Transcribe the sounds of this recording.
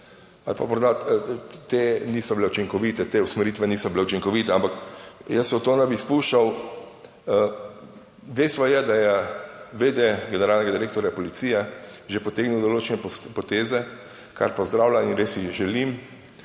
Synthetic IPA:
alpa̰mɔɾd̪at̪eniːsɔbilɛut͡ʃiŋkɔʋiːt̪ɛt̪eːusmɛɾiːt̪ʋɛniːsɔbilɛut͡ʃiŋkɔʋiːt̪ɛampakjəsɛɔt̪oːnɛbispuːʃt͡ʃaw | d̪ɛjst̪ʋɔjɛd̪ajɛʋed̪eɡɛnɛɾalnɛɡad̪iɾeːk̚t̪ɔɾjapɔlit̪siːjɛʒepɔt̪eːɡniwd̪oloːt͡ʃɛnɛppɔt̪eːzɛ | ka̰ɾpɔzd̪ɾaːwlʲainɾesiʒɛlim

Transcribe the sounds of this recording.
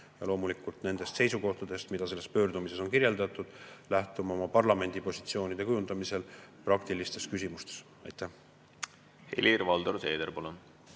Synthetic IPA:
jɑlo̞ːmulikult̪ne̞nd̪̥e̞st̪se̞jsuko̞ht̪ɑd̪̥e̞st̪mid̪̥ɑse̞lːe̞spø̞ːrd̪umise̞so̞nkiɾje̞ld̪ɑt̪ːˑud̪̥læht̪umɑomɑpɑrlɑme̞nd̪ipo̞si̥t̪sio̞ːnid̪e̞kujunɑmise̞lprɑkt̪ilist̪e̞skys̬ʲimust̪e̞̥s | ɑjt̪ˑːæh | hḛlʲirvɑld̪oɾt̪eːd̪̥eɾpɑlun

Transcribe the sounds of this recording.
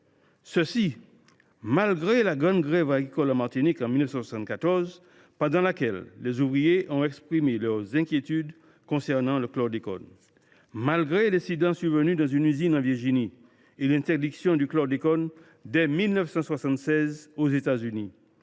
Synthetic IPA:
səsi | malɡʁelaɡʁɑ̃d̪ɡʁɛvaɡʁikɔlamaʁt̪inikɑ̃milnəfsɑ̃swasɑ̃t̪kat̪ɔʁz | pɑ̃d̪ɑ̃lakɛlːɛzuvʁijeʔɔ̃ɛkspχimelœʁzɛ̃kjet̪yd̪ | kɔ̃sɛʁnɑ̃ləklɔʁd̪ekɔ̰n | malɡʁelɛ̃sid̪ɑ̃syʁvənyd̪ɑ̃zynyzinɑ̃viʁʒini | elɛ̃t̪ɛʁd̪iksjɔ̃d̪yklɔʁd̪ekɔn | d̪ɛmilnœfsɑ̃swasɑ̃t̪sɛzozet̪azyni

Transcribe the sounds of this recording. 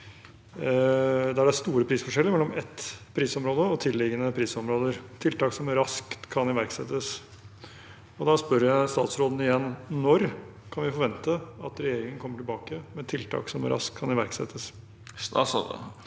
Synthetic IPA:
d̪ɛæɖæst̪uːɾəpʰɾiːsfɔʂɛləmɛlːɔmɛt̪pʰːɾiːsɔmɾoːd̪əɔt̪ʰɪlːɪɡənəpʰɾiːsɔmɾoːd̪əɾt̪ʰɪlt̪ɑːksɔmɾɑskt̪kʰːɑnɪʋæɾksɛ̰t̪ːəs | ɔd̪ɑspœɾjæɪst̪ɑ̰ːt̪sɾoːd̪n̩ɪjɛnːnɔɾkʰɑnʋɪfɔɾʋɛnt̪əɑt̪ɾɛjeːɾɪŋənkʰɔmːəʈɪlbɑːkəmɛt̪ʰɪlt̪ʰɑ̰ːksɔm̰ɾʔɑ̰skʰɑnɪʋæɾksɛ̰t̪ʰːəs

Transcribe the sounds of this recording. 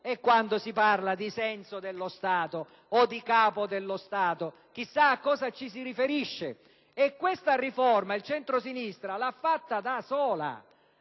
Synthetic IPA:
ekːwand̪osiparlad̪isɛnsod̪elːost̪aːt̪oː | d̪ikaːpod̪elːost̪aːt̪o | k̟isːaːkːɔːzat͡ʃis̬iɾifeɾiʃːe | ekːwest̪arifɔrmailt͡ʃɛnt̪ɾosinist̪ɾalafːat̪ːad̪asɔːla̰

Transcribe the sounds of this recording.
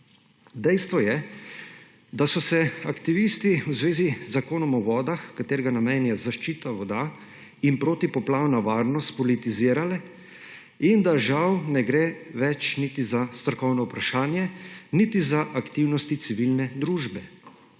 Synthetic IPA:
d̪ɛjst̪ʋɔjɛ | d̪asɔsɛakt̪iʋist̪iwzʋeːziakoːnɔmɔʋɔːd̪axkat̪eːɾɛɡanameːnjazaʃt͡ʃiːt̪aʋɔd̪a | inpɾoːt̪ipɔplaːwnaʋaːɾnɔst̪̚pɔlit̪iziːɾalɛ | ind̪aʒawnɛɡɾeʋɛt͡ʃnit̪izast̪ɾɔkɔwnɔupɾaʃaːnjɛnit̪izaʔakt̪iwnɔst̪it̪siʋilnɛd̪ɾuːʒbɛ

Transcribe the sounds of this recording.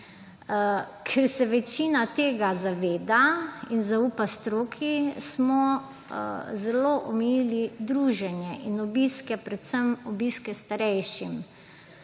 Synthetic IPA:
kʰɛɾsɛʋɛt͡ʃinat̪eːɡazaʋeːd̪ainzauːpast̪ɾoːkʰismɔ | zɛloːʔɔmɛjiːlid̪ɾuːʒɛnjɛʔinɔbiskɛpɾɛt̪səmɔbiskɛst̪aɾɛjʃim

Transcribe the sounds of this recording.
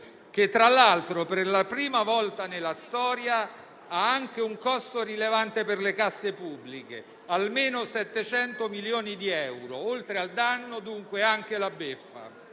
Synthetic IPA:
k̟et̪ːɾalːalt̪ɾoperlapɾiːmavɔlt̪anelːast̪ɔːɾja | aaŋk̟euŋkɔst̪orilevant̪eperlekasːepubːlike | almeːnosɛt̪ːet͡ʃɛnt̪omiljoːnid̪iɛwɾoolt̪ɾeald̪anːod̪uŋkweaŋk̟elabefːa̰

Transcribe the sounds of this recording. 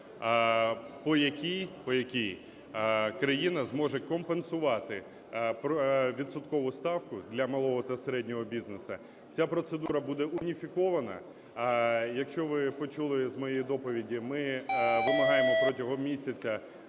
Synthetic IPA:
pɔjɐkʲijpɔjɐkʲij | kɾɐjinɐzmɔʒɛkɔmpensʊʋɑt̪ɪ | pʋʲit̪sʊt̪kɔʋʊst̪ɑwkʊd̪lʲɐmɐlˠɔɦɔt̪ɐseɾɛdʲnʲɔɦɔbʲiznesɐ̰ | t͡sʲapɾɔt̪sed̪uɾɐbud̪ɛʔʊnʲifʲikɔʋɐnɐ̰ | jɐkʃt͡ʃɔʋɪpɔt͡ʃulˠɪzmɔjejid̪ɔpɔʋʲidʲimɪʋɪmɐɦɑjemɔpɾɔtʲɐɦɔmʲisʲɐt͡sʲɐ

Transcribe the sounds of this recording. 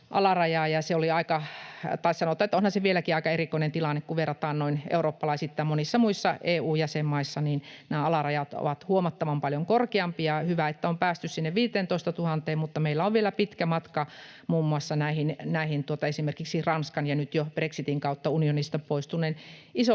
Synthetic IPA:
ʔɑ̰lɑrɑjɑːjɑseoliɑikɑt̪ɑissɑnot̪ɑːet̪ːonhɑnseʋielækiɑikɑerikoinent̪ilɑnːekkuʋʋerːɑt̪ɑːnnoinʔḛuroːpːɑlɑisit̪ːɑmonisːɑmuisːɑeːuːjæsemːɑisːɑniːnnæːɑlɑrɑjɑt̪o̰ʋɑt̪huomɑt̪ːɑʋɑmpɑljoŋkorkeɑmpijɑhyʋæet̪ːæompæːst̪yssinːeʋʋiːt̪eːnt̪oist̪ɑt̪uhɑnt̪eːmmut̪ːɑmeilːæoʋʋielæpit̪kæmɑt̪kɑ | muːmːuɑsːɑnæihinnæihint̪uot̪ɑesimerkiksirɑnskɑnjɑnyt̪job̥reksit̪iŋkɑut̪ːɑunionist̪ɑpoist̪unːˑeniso

